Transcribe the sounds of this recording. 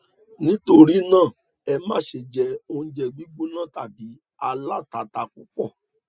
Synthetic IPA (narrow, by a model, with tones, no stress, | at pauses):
nĩ˨˦to˧ɾi˦nãː˦˨ | ɛ˧mã˦˨ʃe˨d͡ʒɛ˧o˧h̩˧d͡ʒɛ˧ɡ͡bi˦ɡ͡bo˦nã˦˨ta˨bi˨˦ | a˧la˦˨ta˨˦ta˨˦ku˦k͡pɔ˦˨